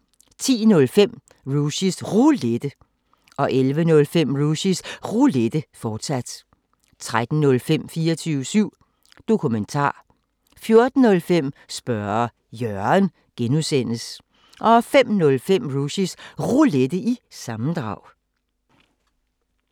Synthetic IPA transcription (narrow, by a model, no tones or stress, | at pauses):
t͡sʰḭːnɔ̽lfem̰ | ʁuɕisʁuled̥ə | ʔɒ̽ʔelʋənɔ̽lfem̰ʁuɕisʁuled̥əfɒːd̥sæd̥ | t͡sʰʁad̥n̩ːɔ̽lfem̰fiːɐt͡sʰyːʊəsyʊ̰ | d̥o̝kʰument͡sʰɑ̰̈ː | fjo̝ɐd̥n̩ːɔ̽lfem̰sb̥ɶɐ | jœɐɐn | ɡ̥enusen̰əs | ʔɒ̽fem̰nɔ̽lfem̰ʁuɕisʁuled̥əʔisɑ̈mn̩d̥ʁɑ̈ʊ̰